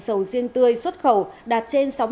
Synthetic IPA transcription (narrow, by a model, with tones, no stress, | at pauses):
sə˧˩wzi˧əŋt̪ɨ˧əjswə˦˥t̚xə˧˩wɗaː˨˩t̚t͡ɕe˧nsa˨˦w